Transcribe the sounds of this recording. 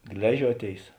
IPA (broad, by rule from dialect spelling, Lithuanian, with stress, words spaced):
ˈɡlʲæːʒʲuɔˌtʲeːɪs